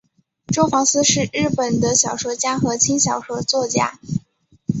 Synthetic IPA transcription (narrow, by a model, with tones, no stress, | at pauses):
ʈ͡ʂo˥ʊfɑ˧˥ŋsɹ̩˥ʂɻ̩˥˧ɻɻ̩˥˩pə˨˩nd̪ə˦ɕjɑ˨˩ʊʂwɔ˥t͡ɕja˥xɤ˧˥t͡ɕʰi˥ŋɕjɑ˨˩ʊʂwɔ˧˥t͡swɔ˥˩t͡ɕja̰˥